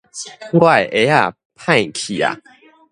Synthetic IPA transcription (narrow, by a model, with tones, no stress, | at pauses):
ɡwa˥˨jʔe˨˦a˦˨ | pʰã˥˧˨jkʰi˨a̰˨